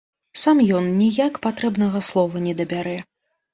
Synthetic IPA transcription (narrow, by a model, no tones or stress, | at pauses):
samjɔnnʲijakpat̪ɾɛbnɐɣɐslˠɔvɐnʲɛd̪ɐbʲaɾɛ